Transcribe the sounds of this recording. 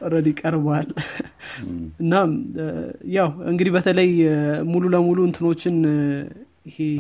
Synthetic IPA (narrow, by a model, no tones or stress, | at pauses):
ɨɾəd̪jɪkʼːəɾbal | ɨnːam | jawɨŋɡɨd̪ibət̪ʰələjmululəmuluɨnt̪ʰɨno̞t͡ʃːɪn | jɪhe